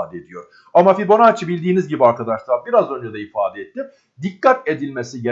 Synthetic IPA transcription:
d̪ɛed̪ijo̞ɾ̥ | amafiɾbo̞nat͡ʃʰɯbilʲd̪iːnizɟibiaɾkad̪aʃlˠɯabiɾazø̞nd͡ʒɛd̪ɛifaːd̪ɛet̪ːi | d̪ikːat̪e̞d̪ilʲme̞siɟe

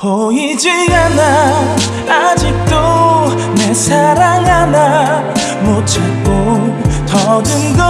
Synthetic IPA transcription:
kʌid͡ʑiana | ad͡ʑik̚t̪͈o | nesʰaɾaŋana | mot͡ɕʰa | k͈ot̪ʌdɯnɡʌ

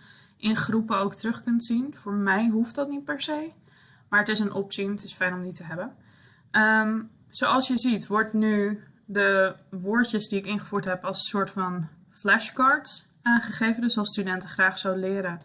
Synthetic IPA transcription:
ʔɪnχrupəowktərɵχkɵntsinv̥ʊːɹmɛjɦuftdɑtnit̚pɛɹsej | maːɹətɪsənʔɔpsinətɪsfɛjnɔmditəɦɛbən | ʔəm | z̥owɑlˠsjəzitʋɔɹtny | dəʋʊːɹt͡ʃəsdiɪkɪnχəfuːɹtɦɛpɑlˠsːʊːɹtfɑn | flɛʃkɑɹt | ʔaːnχəχejvəndøsɑlˠstydɛntəχraːχsawdəlɪːɾən

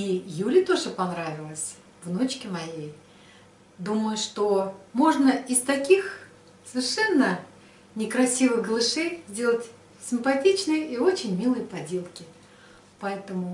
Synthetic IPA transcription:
ijulʲət̪o̞ʐɨpɐnɾavʲɪlˠəsʲ | vno̞t͡ɕkʲɪmɐjej | d̪uməjʊʂt̪omo̞ʐnəɪst̪ɐkʲix | səvʲɪrʂɛnːə | nʲɪkɾɐsʲivɨɣɡəlˠɨʂɨjzʲdʲe̞lˠətʲ | sʲɪmpɐtʲit͡ɕnɨjəʔio̞t͡ɕɪnʲmʲilˠɨjəpɐdʲe̞lˠkʲɪ | pɐɛt̪əmʊ

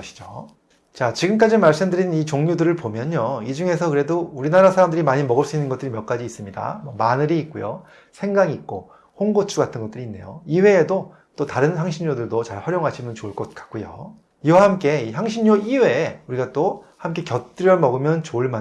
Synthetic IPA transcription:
ɕʰi̥d͡ʑo | t͡ɕat͡ɕiɡɯmk̬͈ad͡ʑimaɭs͈ɯmdɯɾinit͡ɕoŋɲudɯɾɯɭpomjʌɲoid͡ʑuŋe̞sʰʌkɯɾe̞douɾinaɾasʰaɾamdɯɾimaɲimʌɡɯɭs͈uinːɯnŋɡʌt͈ɯɾimjʌk͈ad͡ʑiis͈ɯmɲida̰mwʌmanɯɾiːk̚k͈ujo̰ | sʰe̞ŋɡaŋiik̚k͈o | hoŋɡot͡ɕʰuɡatʰɯnɡʌt͈ɯɾinːe̞joiwe̞ːdo | t͈otaɾɯnçaŋɕʰiɲːodɯɭdot͡ɕaɭhʌɾjoŋɦaɕʰimjʌnt͡ɕoɭk͈ʌt̚k͈ḁk̚k͈ujo̰ | iwahamk͈e̞içjaŋɕʰiɲɲoʔiwe̞uɾiɡat͈o | hamk͈e̞kjʌtt͈ɯɾjʌmʌɡɯmjʌnt͡ɕoɭma

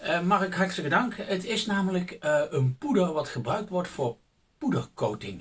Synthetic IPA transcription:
əmɑχɪkɦɑɹtələkədɑŋkətɪsnaːmələkənpudərʋɑtχəbrœɥk̚tʋɔɹtfʊːɹ | pudərkowtɪŋ

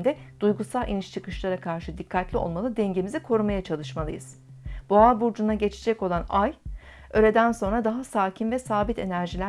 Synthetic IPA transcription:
nd̪ɛd̪̥ujɡusalˠʔḭniʃt͡ʃʰɯkɯʃlˠaɾakʰaɾʃɯd̪ikʰːat̪lʲio̞̰lˠmalˠɯd̪ɛɲɟe̞mizikʰo̞ɾumajat͡ʃʰalˠɯʃmalˠɯ̰jɯz̥ | boabuɾd͡ʒunaɟe̞t͡ʃʰe̥d͡ʒɛco̞lˠanaj | ø̞ɾe̞d̪ænso̞nɾad̪aɦasaːcʰinvɛsaːbit̪ʰe̞næɾʒilʲæ

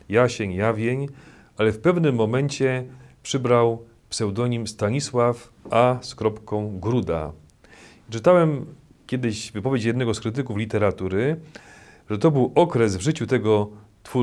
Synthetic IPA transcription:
jaɕeɲjavʲjeɲ | alɛfpɛvnɘmːɔmɛɲt͡ɕɛpʂɘbɾaw | psɛwd̪ɔɲimst̪aɲiswaf | ʔaskɾɔpkɔ̃w̃ɡɾud̪a̰ | t͡ʂɘt̪awɛm | kʲjɛd̪ɘʑvɘpɔvʲjet͡ɕjɛd̪nɛɡɔskɾɘt̪̬ɘkuflʲit̪ɛɾat̪uɾɘ | ʐɛt̪ɔbɘwʔɔkɾɛsvʐɘt͡ɕut̪ɛɡɔ | t̪fu

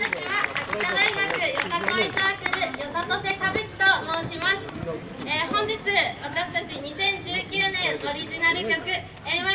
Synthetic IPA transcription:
akiaki̥t̪ad̪aiɡakɯ̟jo̞sat̪oisakɯɾɯ̟josat̪ose̞t̪abekʲi̥t̪o̞moːɕimasɨ̥ | eːhõ̞ɲ̟d͡ʑit͡sɨβat̪aɕi̥t̪at͡ɕiɲ̟isẽ̞ɲ̟d͡ʑɨːkʲɨːnẽ̞ɰ̃o̞ɾʲiʑinaɾɯ̟kʲo̞kɯ̟ | ẽa

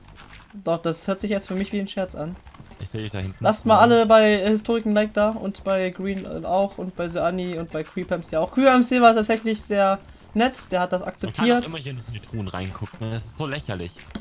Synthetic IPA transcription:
d̥ɔχd̥ashøːɐtz̥ɪçjɛt͡stfyːɐmɪçv̥iːnʃɛɐt͡sʔanʔɪçz̥eːdiçd̥a̰hɪntn̩lastmaːlʔaləbaɪhɪstʰoːʁɪkŋ̩laɪk̚d̥aːʔʊ̰ntb̥aɪɡʁiːn̰aʊxʔʊnt̚b̥aɪzøaniʊnt̚b̥aɪkʰw̥iːpʰɛmsjaaʊxkʰiːpɛmseːvaːstʰaːtz̥ɛçlɪçz̥eːɐ | nɛtd̥eːɐhat̚d̥asa̰k̚t͡sɛp̚kʰaiːɐtɪmɐhiːɐnɔχmeːɐtʰʁ̥uːnʁa̰ɪnkʰʊkŋ̩ɛsɪ̥stz̥oːlɛçɐlɪ̰ç

